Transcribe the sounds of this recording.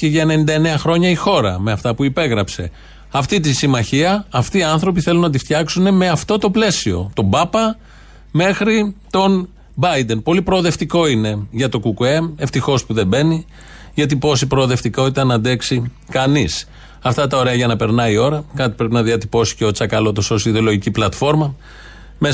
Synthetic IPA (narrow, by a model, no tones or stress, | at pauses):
ceʝɐene̞nind̪ɐene̞ɐxɾo̞ɲɐixo̞ɾɐme̞ɐft̪ɐpuipe̞ɣɾɐpse̞ | ɐft̪it̪isimɐçiɐːft̪iːɐnθɾo̞p̬iθe̞lunɐt̪ift̪çɐksune̞me̞ɐft̪o̞t̪o̞ple̞sio̞̰t̪o̞bɐpɐ | me̞xɾit̪o̞n | bɐjd̪e̞npo̞lipɾo̞ːðe̞ft̪iko̞ine̞ʝɐt̪o̞kukue̞me̞ft̪ixo̞spuðe̞be̞ni | ʝɐt̪ipo̞s̬ipɾoːðe̞ft̪iko̞t̪it̪ɐnɐnd̪e̞ksi | kɐnis | ɐft̪ɐt̪ɐo̞ɾe̞ɐʝɐnɐpe̞ɾnɐio̞ɾɐkɐt̪ipɾe̞pinɐðiɐt̪ipo̞si̥ceo̞t͡sɐkɐlo̞t̪oso̞siðolo̞ʝiciplɐt̪fo̞ɾmɐ | me